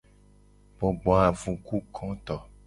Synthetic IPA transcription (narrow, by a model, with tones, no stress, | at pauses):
bo˨ɡ͡bɔ˨a˨vũ˨ku˦kʰɔ̃˦t̪ɔ˨